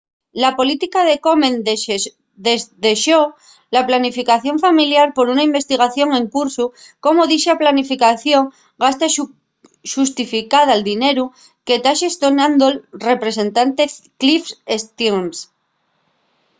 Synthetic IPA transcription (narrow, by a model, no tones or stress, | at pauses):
lapo̞lit̪ikað̞e̞ko̞mẽn | d̪eðe̞ʃo̞ | laplanifikaθjo̞ɱfamiljaɾpo̞ɾunaimbe̞st̪iɣ̞aθjo̞ŋẽ̞ŋkuɾsu | ko̞moðiʃaplanifikaθjo̞ŋ | ɡast̪a | ʃust̪ifikaðaːld̪ine̞ɾu | ke̞t̪aʃest̪onand̪olre̞pɾe̞se̞nt̪ant̪e̞klifest̪ims